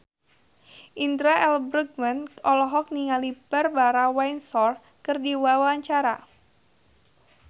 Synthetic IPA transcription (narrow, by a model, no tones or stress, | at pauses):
ʔind̪ɾaʔɛlbɾəɡ̚manʔɔlɔɦɔk̚niŋalibərbaɾawajnsɔr | kɨrdiwawaɲt͡ʃaɾa̰